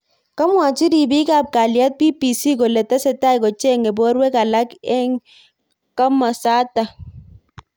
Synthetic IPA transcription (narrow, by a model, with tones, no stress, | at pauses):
ka˦mwa˨t͡ʃi˦di˨bi˦ka˦˨p̚ka˨lja˦t̚pi˦pi˨si˦ko˨lɛ˨tɛ˦sɛ˨ta˦i˨kɔ˨t͡ʃe˦˨ŋe˨bɔ˦ɾwɛ˦ka˨la˦kɛ˦ŋ | ka˦ma˨sa˦ta˨